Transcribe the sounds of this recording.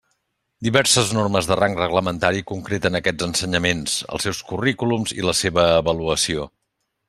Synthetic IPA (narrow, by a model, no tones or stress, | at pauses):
d̪iβɛɾsəznorməzðəraŋkrəɣləmənt̪aɾikuŋkɾet̪ənəkɛd͡zənsəɲəmensə̰lˠsɛwskurikulumzḭləseβəːβəluəsio